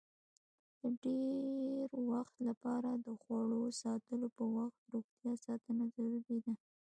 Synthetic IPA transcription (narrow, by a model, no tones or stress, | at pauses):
d̪̥əɖeɾwaxt̪lapɑɾad̪əxwaɽosɑt̪əlopəwaxt̪ɾoxt̪jɑsɑt̪ənazawibed̪a